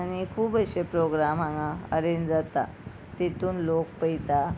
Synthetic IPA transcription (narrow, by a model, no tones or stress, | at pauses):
añikʰuːbəɕepɾoɡɾamãŋaə̰ɾend͡zat̪a̰ | t̪it̪uːnlok̚pəjt̪a